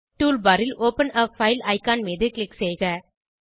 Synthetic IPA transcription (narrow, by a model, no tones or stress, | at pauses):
ʈuːlbɐɾɪloːpɐnɐfɐɪlɐɪkaːnmeːðɯklɪksɛjɣɐ